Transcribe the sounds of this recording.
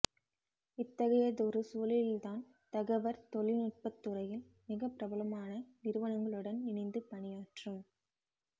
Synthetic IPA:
ɪt̪ːɐɣɐjɐðɔɾɯsuːlɪld̪aːn | t̪ɐɣɐʋɐɾt̪ɔlɪnʊʈ̚pɐt̪ːɯɾɐjɪl | mɪɣɐpːɪɾɐbɐlɐmaːnɐʋɪɾɯʋɐnɐŋɡɐɭɯɽɐnɪɳɐɪnd̪ɯpɐɳɪjaːʈrɯm

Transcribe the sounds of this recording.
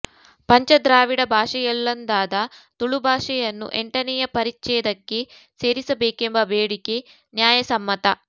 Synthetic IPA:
pɐɲt͡ʃɐd̪ɾaːʋiɽɐbʱaːʂɐjɐlːɐnd̪aːd̪ɐt̪uɭubʱaːʂɐjɐnːṵʔeɳʈɐnɛjɐpɐɾit͡ʃɛːd̪ɐkːe̞ | se̞ːɾisɐbeːkembɐbeːɽike̞ | njaːjɐsɐmːɐt̪ɐ

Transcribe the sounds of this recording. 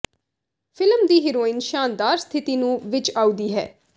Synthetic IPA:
fʰɪlmd̪iːɦiːɾoːɪnʃaːnd̪aːɾst̪ʰɪt̪iːnũːʋɪt͡ʃaːuːd̪iːɦɛ̰ː

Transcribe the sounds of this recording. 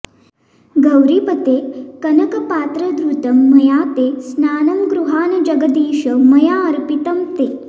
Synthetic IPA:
ɡɐwɾipɐt̪ekɐnɐkɐpaːt̪ɾɐd̪ɾut̪ɐmːɐjaːt̪esnaːnɐmɡɾuɦaːnɐd͡ʒɐɡɐd̪iːʃɐmɐjaːɐɾpit̪ɐmt̪eː

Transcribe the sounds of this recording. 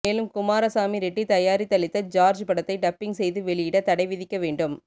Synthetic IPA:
eːlɯmkʊmaːɾɐsaːmiɾɛʈːit̪ɐjaːɾit̪ːɐɭɪt̪ːɐd͡ʒaːɾd͡ʒpɐɽɐt̪ːɐɪɖɐpːɪŋɡsɛjðɯʋɛɭɪjɪɽɐt̪ɐɽɐɪʋɪðɪkːɐʋeːɳɖɯm

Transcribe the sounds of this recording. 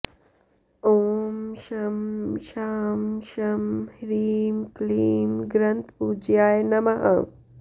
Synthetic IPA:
oːmʃɐmʃaːmʃɐmhɾiːmkliːmɡɾɐnt̪pud͡ʒjaːjnɐmɐɦɐ̰

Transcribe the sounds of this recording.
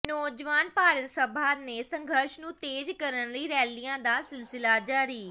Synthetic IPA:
nɔːd͡ʒʋaːnpaːɾət̪səbʱaːnesə̃ŋɡʱəɾʃnũːt̪eːd͡ʒkəɾənliːɾɛːlijãːd̪aːsɪlsɪlaːd͡ʒaːɾiː

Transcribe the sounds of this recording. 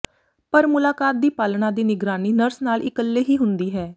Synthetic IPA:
pəɾmʊlaːkaːt̪̚d̪iːpaːlɳãːd̪iːnɪɡɾaːniːnəɾsnaːlɪkəlːeːɦiːɦʊnd̪iːɦɛː

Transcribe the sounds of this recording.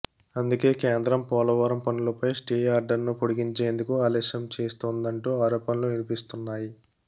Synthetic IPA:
ɐnd̪uke̞ːkeːnd̪ɾɐmpɔːlɐʋaːɾɐmpɐnulɐpɐjsʈiːjaːɾɖɐɾnupoɽiɡiɲt͡ʃe̞ːnd̪ukuaːlɛːʃɐmt͡ʃe̞ːst̪oːnd̪ɐɳʈuːaːɾɔːpɐnloːʋinipist̪unːaːji

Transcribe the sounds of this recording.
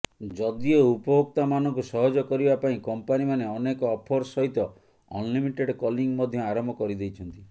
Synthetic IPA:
d͡ʒɔd̪ioupɔɦok̚t̪amanɔŋkusɔɦɔd͡ʒɔkɔɾibapaĩkɔmpanimaneɔnekɔːpʰɔɾsɔɦit̪ɔ | ɔ̰nlimiʈeɖkɔliŋmɔd̪ʱjɔaɾɔmbʱɔkɔɾid̪ejt͡ʃʰɔnt̪i

